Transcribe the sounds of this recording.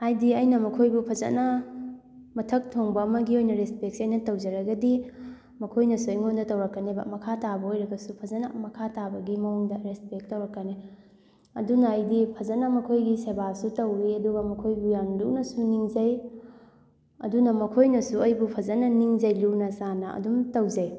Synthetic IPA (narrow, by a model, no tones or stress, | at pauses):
ajdiɐjnɐmɐkʰojbupʰɐzɐ̰nɐ | mɐtʰɐk̚tʰoŋbɐːmɐɡiojnɐɾespek̚siɐjnɐtɐwd͡ʒɐɾɐɡɐdi | mɐkʰojnɐsuɐjŋondɐtɐwɾɐkːɐnebɐ̰mɐkʰatabɐojɾɐɡɐsupʰɐzɐnɐmɐkʰatabɐɡimɐuŋdɐɾespek̚tɐwɾɐkːɐne | ɐ̰dunaɐjdipʰɐzɐnɐmɐkʰojɡisebasutɐwɾiɐduɡɐmɐkʰojbujanluʔnɐsuniŋzɐj | ɐ̰dunɐmɐkʰojnɐsuɐjbupʰɐzɐnɐniŋd͡ʒɐjlunɐsanɐɐ̰dumtɐwzɐj